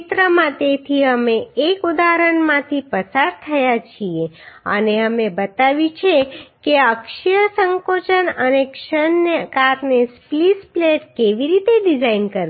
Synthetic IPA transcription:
t̪ɾəmãt̪et̪ʰiəmeːkud̪aɾəɳmãt̪ʰipəsaɾt̪ʰəjat͡ʃʰieə̰neəmebət̪aʋit͡ʃʰekeəkʃijəsəŋkot͡ʃənənekʃənːekaɾnesplispleʈkeʋiɾit̪eɖid͡ʒainkəɾ

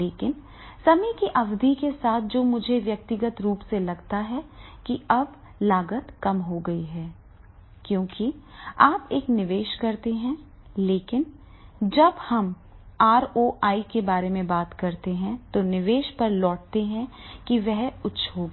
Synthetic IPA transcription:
leːkɪn | sɐmikiʔɐʋd̪ʱikesaːt̪̚ʰd͡ʒoːmʊd͡ʒʱeʋjɐk̚t̪ɪɡət̪ɾuːpselɐɡt̪aɦɛkiɐb | laːɡət̪kɐmɦoɡɐiɦɛː | kjõːkiaːpeːknɪʋeːʃkɐɾt̪eɦɛ̃ | leːkɪn | d͡ʒɐbhɐm | aːɾoːʔaːikebaːɾemẽbaːt̪kɐɾt̪eɦɛ̃t̪onɪʋeːʃpɐɾlɔːʈ̚t̪eɦɛ̃kiʋɛɦʊtːʃʰɦoːɡ

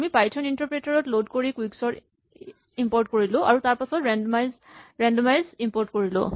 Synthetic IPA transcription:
amipajtʰɔnintɔɹpɹetaɹɔtlodkoɹikwiksɔɹ | impɔɹtkoɹilʊ̃ʔa̰ɹutaɹpasɔtma | ɹɛndmajzimpɔɹtkoɹilʊ̰̃

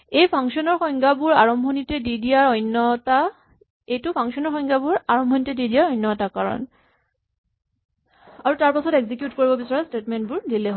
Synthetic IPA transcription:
ejpʰaŋksiɔnɔɹxɔj̃ŋɡabʊɹaɹɔmbʱɔnitɛdidijaɹɔjnːɔta | ejtʊpʰaŋsiɔnɔɹxɔjŋɡabʊɹaɹɔmbʱɔnitɛdidiaɹɔjnːɔtakaɹɔ̰n | aɹutaɹpasɔteɡzikjutkoɹibɔbisaɹastetmɛntbʊɹdilɛɦ

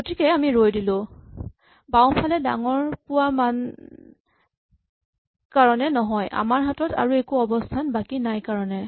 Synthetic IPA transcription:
ɡotikɛamiɹojdilʊ̃ | bawpʰalɛda̰ŋɔɹpʊwaman | kaɹɔnɛnɔɦɔjʔa̰maɹɦatɔta̰ɹuekuɔbɔstʰanbakinajkaɹɔnɛ

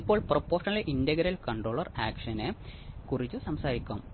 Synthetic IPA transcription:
ipːo̞ːɭpropːoːʂɐnɐlʔindɐɣɐɾɐlkɐɳɖroːɭɐraːkʂɐnekurit͡ɕːusɐmsaːɾikʲːum

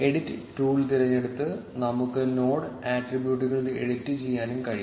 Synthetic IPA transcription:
e̞ɽitːɨʈuːɭt̪̬iɾɐɲːe̞ɽut̪ːɨnɐmukːɨno̞ːɽɨaːʈribjuːʈ̬ːuɣɐɭileɽitːɨt͡ɕejːaːnumkɐɻi

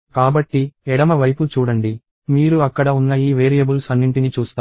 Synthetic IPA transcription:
kaːbɐʈːiɛɽɐmɐʋɐjput͡ʃuːɽɐɳɖi | miːɾuɐkːɐɽɐunːɐiːʋeːɾijɐbulsɐnːiɳʈinit͡ʃuːst̪aː

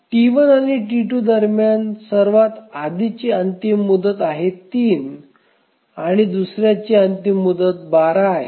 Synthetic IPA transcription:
ʈiʋənaɽ̃iʈiʈuːd̪əɾmjansəɾʋat̪ad̪it͡ɕeənt̪imːud̪ət̪aɦet̪iːn | aɽ̃id̪usɾjat͡ɕiənt̪imːud̪ət̪̚baɾaj

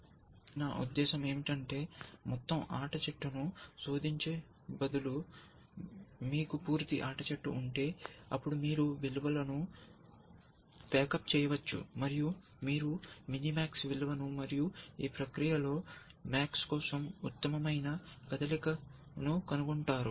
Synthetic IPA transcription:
naːʔṵd̪ːɛːʃɐme̞ːmiʈɐɳʈe̞ːmɔt̪ːɐma̰ːʈɐt͡ʃɐʈːunuso̞ːd̪iɲt͡ʃeː | bɐd̪ulu | miːkupuːɾt̪ḭʔaːʈɐt͡ʃɐʈːuːɳʈe̞ːɐ̰pːuɽumiːɾuʋilʋɐlɐnu | pɛːkɐp̚t͡ʃɛːjɐʋɐt͡ʃːṵmɐɾiju | miːɾuminimaːksʋilʋɐnumɐɾijuiːpɾɐkɾijɐlo̞ː | maːkskɔːsɐmut̪ːɐmɐmɐjnɐkɐd̪ɐlikɐ | nukɐnuɡuɳʈaːɾu

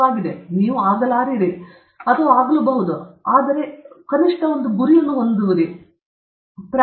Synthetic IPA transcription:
aːɡid̪e̞niːʋuaːɡɐlaːɾiɽi | ɐt̪ɐʋaːɡɐlubɐɦud̪uaːd̪ɐɾe̞kɐniʂʈɐond̪uɡuɾijɐnːuond̪uʋud̪i | pɾa

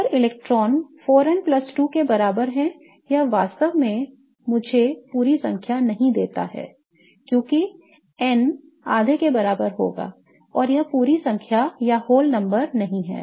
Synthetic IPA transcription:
əɾɪlɛːk̚ʈɾɔːnfoːɾɛnplɐsʈukebɐɾaːbəɾɦɛ̃ | jɐʋaːst̪əʋmẽ | mʊd͡ʒʱepuːɾisɐ̰̃ŋkʰjanɐɦĩd̪eːt̪a̰ɦɛ̰ː | kjõːki | ɛn | aːd̪ʱekebɐɾaːbəɾɦo̰ːɡa̰ː | ɔːɾjɐpuːɾisɐ̃ŋkʰjajahoːlnɐ̃mbəɾnɐɦĩɦɛ̰ː

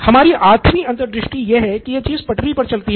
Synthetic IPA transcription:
hɐmaːɾiʔaːt̪ʰmiɐ̃nt̪əɾd̪ɾɪʃʈijeɦɛkijet͡ʃiːzpɐʈɾipɐɾt͡ʃɐlt̪iɦ

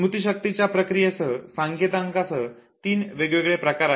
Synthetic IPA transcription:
ut̪iɕək̚t̪it͡ɕjapɾəkɾijesəsãŋɡet̪ãŋkasə | t̪iːnʋeɡʋeɡɭepɾəkaɾa

